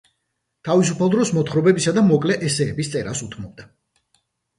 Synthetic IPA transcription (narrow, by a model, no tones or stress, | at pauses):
t̪ʰavis̬upʰalˠd̪ɾɔsmɔt̪χɾɔbɛbisad̪amɔkʼlɛʔɛsɛːbist̪sʼɛɾasut̪ʰmɔb̚d̪a